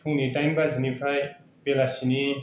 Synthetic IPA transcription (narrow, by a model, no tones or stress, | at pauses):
tʰuŋniʈajmbazinipʰaj | pelasini